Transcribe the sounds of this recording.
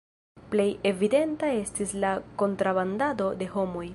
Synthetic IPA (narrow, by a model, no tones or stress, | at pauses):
ple̞je̞vide̞ntae̞stislako̞ntɾabandado̞de̞ho̞mo̞j